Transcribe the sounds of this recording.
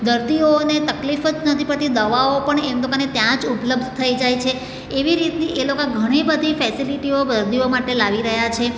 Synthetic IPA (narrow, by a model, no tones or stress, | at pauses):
d̪əɾt̪ionet̪əklifəd͡ʒnət̪ʰipəɭt̪id̪əʋaopəɳemlokanet̪jãd͡ʒupləb̚d̪ʱt̪ʰəid͡ʒajt͡ʃʰeː | ʋiɾit̪niʔelokãɡʱəɽ̃ibəd̪ʱifɛsiliʈiobəɾd̪iomaʈelaʋiɾəɦjat͡ʃʰe